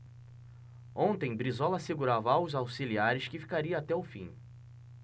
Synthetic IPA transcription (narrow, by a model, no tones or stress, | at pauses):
õnt̪ẽj̃bɾizɔlɐaseɡuɾavɐawzawsiliaɾɪskɪfi̥kaɾiɐːt̪ɛʊfḭ̃